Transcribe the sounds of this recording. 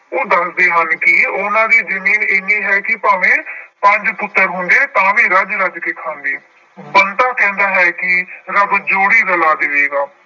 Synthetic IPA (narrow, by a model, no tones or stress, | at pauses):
oːd̪əsd̪eːɦənkɪʊnãːd̪iːd͡ʒəmiːneːnĩːɦɛːkɪpaːʋẽːpə̃ɲd͡ʒpʊt̪ːəɾɦʊ̃nd̪eːt̪ãːʋĩːɾəd͡ʒɾəd͡ʒkeːkʰãːnd̪iː | bənt̪aːkɛ̃ːnd̪aːɦɛːkɪɾəbd͡ʒoːɽiːɾəlaːd̪ɪʋeːɡaː